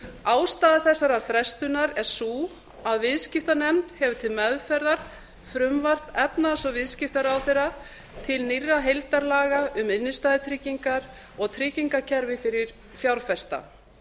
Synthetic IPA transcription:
aːwst̪aːðaθɛsːaɾaɾ̥fɾɛst̪ʏnaɾɛɾ̥suː | aðvɪðscɪft̪anɛmt̪hɛvʏ̥t̪ʰɪlmɛðfɛɾðaɾ̥ | fɾʏmvar̥pɛpnasɔvɪðscɪft̪aɾawθeɾːa | t̪ʰɪlnirːaɦejlt̪aɾlaːɣaʏmɪnːɪst̪aːðɪt̪ʰɾiːciŋkaɾ | ɔɣt̪ʰɾɪːciŋkacʰɛɾvɪfɪɾɪɾ̥ | fjawɾfɛst̪a̰

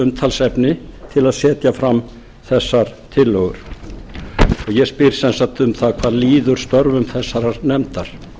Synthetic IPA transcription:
ʏmt̪ʰalsɛpnɪt̪ʰɪlaðsɛːt̪jafɾam | θɛsːaɾ̥t̪ʰɪlːɔɣʏɾ̥ | ɔɣjɛspɪɾ̥sɛnsat̪ʏmθaðkʰvaːðliːðʏɾ̥st̪œɾvʏmθɛsːaɾaɾnɛmt̪aɾ̥

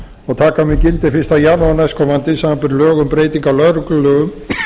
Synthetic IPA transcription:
ɔɣt̪ʰaːkamɪcɪlt̪ɪfɪst̪ajaːnuanajskʰɔmant̪ɪsamapʏɾlœːɣʏmpɾeːjt̪iŋkalœðɾʏklʏlœːɣʏm

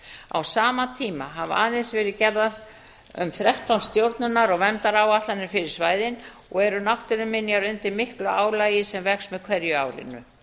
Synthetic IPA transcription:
a̰wsaːmat̪ʰiːmaɦava̰ːðɪnsvɛːɾɪðcɛɾðað | ʏ̰mθɾɛht̪ʰawnst̪jowɾt̪nʏnːaɾɔɣvɛmt̪aɾaːwaht̪lanɪɾ̥fɪɾɪɾ̥svaːjðɪn | ɔɣɛɾʏnawht̪ɪɾʏmːɪnːjaɾʏnt̪ɪmɪhklʏaːwlaːjɪsɛmvɛksmɛðkʰvɛɾjʏa̰ːwlɪ̰nːʏ̰

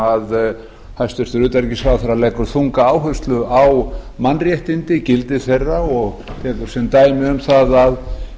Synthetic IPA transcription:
að | hajst̪ʏɾ̥t̪ʏɾʏːt̪aɾcɪsaθaɾːalɛjkʏɾ̥θuŋkaaːwɦœst̪lʏawmanrjɛht̪ɪnt̪ɪcɪlt̪ɪθejrːaɔɣ | t̪ʰɛːkʏɾ̥sɛmt̪aːjmɪʏmθaðað

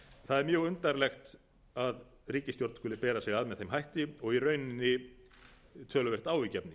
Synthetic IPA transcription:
θaðɛɾmjœːɣʏnt̪aɾlɛxt̪ | að | riːcɪst̪joɾt̪skɔːlɪpɛːɾasɛɣaðmɛðθejmɦajht̪ɪɔɣiɾœɥnɪnːɪ | t̪ʰœːlʏvɛr̥t̪aːwicɛpnɪ

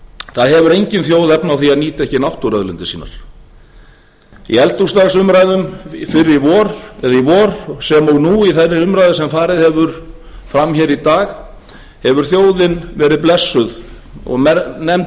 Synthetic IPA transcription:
θaðɦɛvʏɾejɲcɪnθjoːwðɛpnawθiaðniːt̪aɛhcɪnawht̪ʊɾœðlʏnt̪ɪsiːna̰ɾ̥ | ḭɛlt̪ust̪aɣsʏmɾajðʏmfɪɾːɪivɔːɾɛðivɔːɾsɛmɔɣnuiθɛrːɪɾʏmɾajðɪsɛmfaːɾɪðhɛvʏɾ̥ | fɾamçɛːɾit̪aːɣ | hɛvʏɾ̥θjoːwðɪnvɛːɾɪðplɛsːʏð | ɔ̰ɣɛnɛmt̪

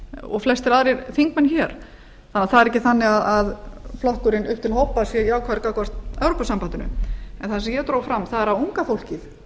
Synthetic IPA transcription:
ɔ̰ɣflɛst̪ɛɾaðɾɪɾθiŋkmɛnçɛːɾ̥ | θanːaθaðɛɾɛcːɪθanːɪɣaðaðflɔhkʏɾɪnʏhp̚t̪ʰɪlɦowpasjɛiaːwkʰvaðɾkakɔst̪ɛwɾopasampant̪ʏnʏ̰ɛnθansɛmjɛt̪ɾoːwfɾamθaðɛɾauŋkafowl̥cɪθ

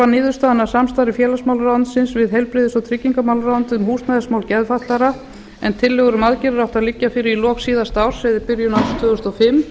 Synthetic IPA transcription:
anɪːðʏɾ̥st̪aːðɪnasamst̪aːɾɪfjɛːlasmawlɾawnt̪sɪnsvɪðɦejlpɾɪːðɪsɔt̪ʰɾɪcːiŋkamawlɾawnt̪ɪmhuːst̪naðɪsmawlcɛðfat̪laɾa | ɛnt̪ʰɪlːɛɣʏɾʏmaðcɪɾɪɾawht̪aðlɪcːafɪːɾɪilɔːksiːðast̪awɾ̥sɛðɪɾpɪɾjʏnawt̪ʰvʏːɣʏst̪ɔfɪm

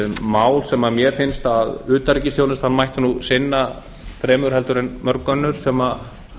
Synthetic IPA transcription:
maːwlsɛmamjɛɾ̥fɪnst̪aðʏːt̪aɾicɪst̪joːwnɪst̪hanːmajht̪nusɪnːa | fɾɛːmʏɾhɛlt̪ʏɾɪnmœɾkœnːʏɾ̥sɛma

